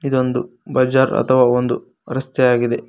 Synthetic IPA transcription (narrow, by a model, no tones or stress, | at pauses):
id̪o̞nd̪ubɐd͡ʒaːɾɐ̰t̪ʰɐʋaːond̪u | ɾɐst̪ɛjaːɡid̪e